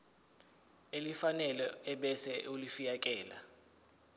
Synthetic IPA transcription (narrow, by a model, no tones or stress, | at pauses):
elifanɛlɔɛɓɛsɛʔulifijakʼɛːla